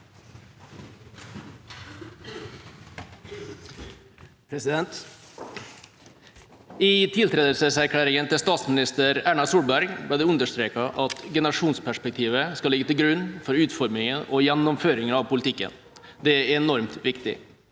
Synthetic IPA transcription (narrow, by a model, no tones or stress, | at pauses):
pʰɾɛsɪd̪ɛnt̪ | ɪt̪ʰɪlt̪ʰɾeːd̪əlsəsæɾkʰlæːɾɪŋənt̪ɪlst̪ɑːt̪smɪnɪst̪əɾæːɳɑsuːlbæɾɡbɽɪːd̪ɛʉnd̪əʂt̪ɾeːkɑʔɑt̪ɡɛnəɾɑʂuːnspʰæʂpɛk̚t̪ʰiːʋəskɑlɪɡːət̪ɪlɡɾʉnːfɔɾʉːt̪fɔɾmɪŋənɔjɛnːɔmføːɾɪŋənɑʋpʊlɪt̪ʰɪkːə̰n | d̪ɛæɾɛnɔɾmt̪ʋɪkt̪ɪ̰